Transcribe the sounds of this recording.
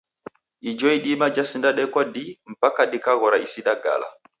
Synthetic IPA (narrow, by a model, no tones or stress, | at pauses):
id͡ʒɔiɗimad͡ʒasindaɗɛkwadim̩pakaɗikaɣɔɾaisiɗaɡa̰la̰